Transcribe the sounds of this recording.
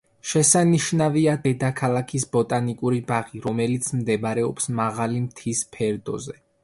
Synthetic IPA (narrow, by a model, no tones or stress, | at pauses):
ʃɛsaniʃnaviad̪ɛd̪akʰalˠakʰisbɔt̪ʼanikʼuɾibaʁiɾɔmɛlit̪sʰmd̪ɛbɾɛɔpsmaʁalimt̪ʰispʰɛɾd̪ɔ̰zɛ